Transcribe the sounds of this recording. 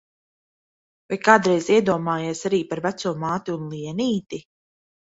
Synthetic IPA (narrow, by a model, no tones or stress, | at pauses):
vajkaːd̪ɾɛjziɛd̪uɔmaːjeːsaɾiːpaɾvæt̪suɔmaːt̪iunlˠiɛniːt̪i